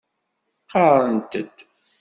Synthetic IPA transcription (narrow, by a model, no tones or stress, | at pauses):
qɑɾˤənt̪əd̪̥